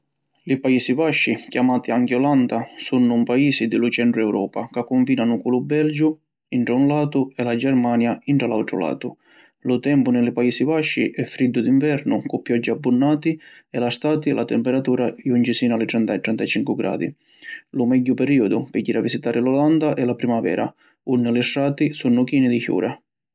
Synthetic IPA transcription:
lipaiːsivaʃːikjamaːt̪iaŋkɪɔland̪asunːʊmpaiːsid̪ɪlʊt͡ʃɛnɳʈ̪ɾʊɛwɾʔɔːpakakːʊɱfiːnanʊkulubɛld͡ʒʊ | iɳʈɾaunlaːt̪ʊɛlad͡ʒɛrmaːnjaiɳʈɾalawt̪ɾʊ̰la̰ːt̪ʊ | lʊt̪ɛmpʊnɪlɪpaiːsivaʃːḭʔɛfːɾid̪ːʊd̪iɱvɛɾnʊkʊpːjɔd͡ʒːiabːunːaːt̪i | ɛlast̪aːt̪ɪlat̪ɛmpɛɾat̪uːɾaiunt͡ʃisiːnalɪt̪ɾɛnt̪aɛt̪ːɾɛnt̪at͡ʃiŋkʊɡɾʔa̰ːd̪ḭ | lʊmɛɟːʊpɛɾiɔd̪ʊpɪɟːiɾavisit̪aːɾɪlɔland̪aʔɛlapɾimavɛ̰ːɾʔa̰ | unːɪlɪsːaːt̪isunːʊkiːnid̪içjṵːɾʔa

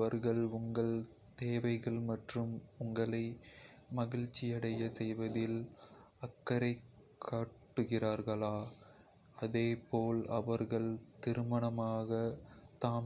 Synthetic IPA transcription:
ɐɾɣɐɭʊŋɡɐɭt̪eːʋɐɪɣɐɭmɐʈrɯmʊŋɡɐɭɐɪmɐɣɪɻt͡ʃːɪjɐɽɐjɐsɛjʋɐðɪl | ɐkːɐɾɐɪkʰːaːʈːɯɣɪraːɾɣɐɭaː | ɐðeːpoːlɐ̰ʋɐɾɣɐɭt̪ɪɾɯmɐɳɐmaːɣɐt̪aːm

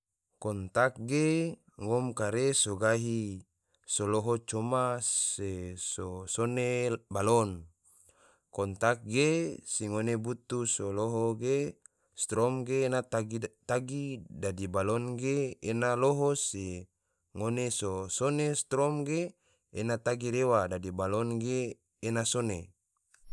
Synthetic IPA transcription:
kɔnt̪ak̚ɡe | ŋɔmkaɾesoɡaɦi | soloɦot͡ʃomassesosonebalɔn | kɔnt̪ak̚ɡesiŋonebut̪usoloɦoɡe | st̪ɾɔmɡeːnaɡt̪aɡidadibalɔnɡeenaloɦose | ŋonesosonest̪ɾɔmɡe | enat̪aɡiɾewadadibalɔnɡeː | nasone

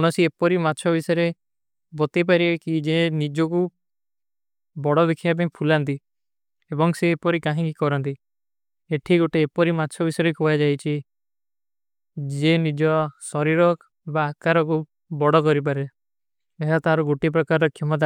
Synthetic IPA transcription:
ɔñɔsiepɔɾimatːt͡ʃʰɔbisɔjɾe | bɔt̪ip̬aɾikid͡ʒenid͡ʒɔku | bɔɽɔbikʰijap̬ẽĩpʰulant̪i | ebɔŋseːpɔɾikãɦĩkikɔɾɔnt̪i | eʈʰiɡoʈeːpɔɾimatːt͡ʃʰɔbisɔɾekoad͡ʒajt͡ʃʰi | d͡ʒenid͡ʒɔsɔɾiɾɔk | baːkaɾɔku | bɔɽɔkɔɾip̬aɾe | eɦat̪ɦaɾɔɡoʈip̬ɾɔkaɾɔkʰimɔt̪̬a

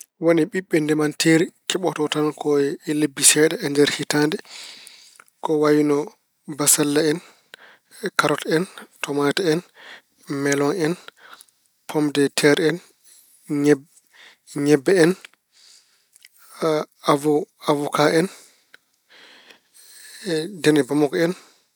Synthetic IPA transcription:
woniɓiɓːɛndɛmantiɾikɛɓɔtɔtankʰɔlebːisɛɗɛɛndɛɾhitandɛ | kɔwajinɔ | basalːaɛn | kaɾɔtɛntɔmatɛɛn | mɛlɔnɛn | pʰɔmdɛtʰɛɾɛn | ɲɛbːɛɛn | avɔkaɛn | dɛnɛbamɔkɔɛn

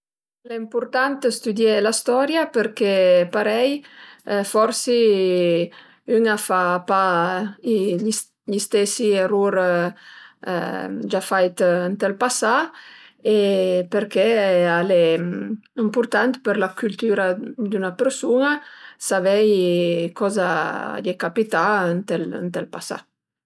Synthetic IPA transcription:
lɛimpuɾt̪ant̪əst̪yd̪jɛlast̪ɔɾjapəɾkepaɾɛj | fɔɾsi | yŋafapa | ʎist̪ɛsieruɾ | d͡ʒafajt̪ənt̪ɛlpasa | epeɾkɛalɛ | impuɾt̪ant̪pəɾlakylt̪yɾad̪ynapeɾsunasavɛjkɔza̰dekapit̪aənt̪ɛlə̰nt̪ɛlpasa̰

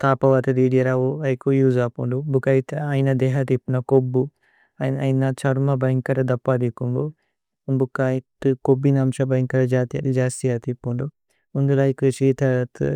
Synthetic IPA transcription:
t̪aːpɐʋɐt̪ɐd̪iːɖijɐɾaʋuɐjkujuːzaːpuɳɖubukajit̪ɐjnɐd̪eːɦɐt̪ipːnɐkobːu | ɐnɐjnɐt͡ʃɐɾumɐbɐjŋkɐɾɐd̪ɐpːɐd̪ikːumɡu | bukːaːjt̪ɨkobinɐmʃɐbɐjŋkɐɾɐd͡ʒaːt̪ijɐt̪id͡ʒaːst̪ijat̪ipːuɳɖu | und̪ulɐjkut͡ʃiːt̪ʰɐt̪

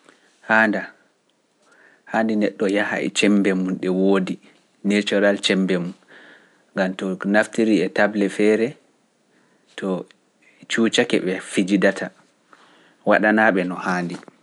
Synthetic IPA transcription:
haːnda | haːndinɛɗːɔjaha̰ɛ̰t͡ʃɛmbɛmunɗɛwoːdi | net͡ʃɔɾalt͡ʃɛmbɛmun | ŋɡamtɔnaftiɾiɛtablɛfɛɾɛ | tɔ | t͡ʃuːt͡ʃakɛ̰ɓɛfid͡ʒidatʰa | waɗanaɓɛnɔhaːndi

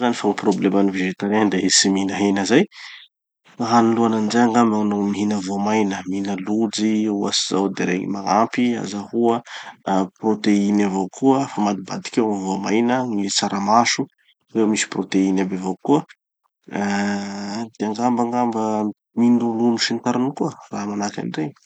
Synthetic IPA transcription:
zanifaproblemaniveʒet̪aɾand̪eesiminəɦenəzaj | ŋaɦaniluananzajaŋɡamanomiɦinəvoamajnəminəlud͡ziuasizawd̪eɾeŋḭmaŋampia̰zahuə | prot̪einavawkʰuəfamad̪ibad̪i̥kʲewaivoamajnəŋit͡saɾamaʃu | rewmisi̥prot̪einabevakuə | d̪̥eaŋɡambaŋɡambə | minulumuʃint̪aɾanukuəraːmanakʲa̰nɖ͡ʐe

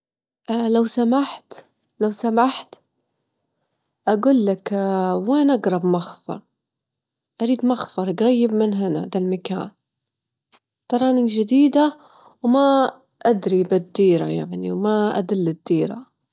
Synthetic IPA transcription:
ʔlawsamaħt̪ | lawsamaħt̪ | ʔaɡuːlːakweːnʔaɡɾˤɑbmaxfɑ̰ɾˤ | ʔaɾiːd̪maxfɑɾˤɡɾɑjːɪbmɪnɦɪna̰d̪almaka̰ːn | t̪ɑɾˤɑːnɪd͡ʒɪd̪iːd̪a | wma | ʔad̪ɾibɪd̪ːiːɾa̰jaʕnḭwmaʔa̰d̪ɪlːɪd̪ːiːɾa̰

